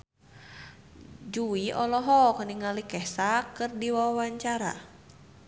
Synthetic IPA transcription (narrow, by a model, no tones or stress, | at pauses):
d͡ʒuiʔɔlɔɦɔkəniŋalikɛsakɨrdiwawaɲt͡ʃaɾa̰